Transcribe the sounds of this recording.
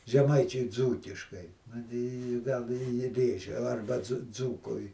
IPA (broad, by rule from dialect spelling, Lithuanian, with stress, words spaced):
ʒʲɛˈmɐɪt͡ʃʲʊɪ ˈd͡zuːkʲɪʃkɐɪ ˈnʊ tɐɪ ɪ ˈɡɐlˠ ɪ ˈjɪ ˈrʲeːʒʲɛ ɐrbɐ d͡zʊ ˈd͡zuːkʊɪ